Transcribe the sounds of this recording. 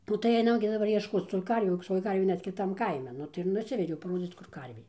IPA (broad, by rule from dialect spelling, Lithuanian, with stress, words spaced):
ˈnʊ tɐɪ ˈɐɪnɐm ɡʲɪ dɐˈbɐr iɛʃˈkoːt͡s tuː ˈkɐrʲʋʲuː toːj ˈkɐrʲʋʲeː ˈnʲɛt kʲɪˈtɐm ˈkɐɪmʲɛ ˈnʊ tɐɪ ɪr ˈnʊsʲʋʲɛdʲɛʊ pɐˈroːd͡zʲiːt͡s kʊr ˈkɐrʲʋʲeː